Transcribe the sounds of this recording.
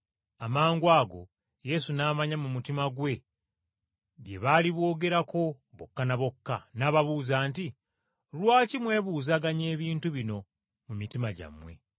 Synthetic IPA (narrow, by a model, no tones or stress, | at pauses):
amaːŋɡwaːɡo̞̰ | je̞sunaːmaɲamumutimaɡwe̞ | βje̞βaliβwo̞ːɡe̞ɾako̞ | βokːanaβo̞kːanaβaβuːzaːnti | lwaːcimwe̞βuzaɡaɲe̞ːβiːntuβino̞ | mumitimaɟa̰mwe̞̰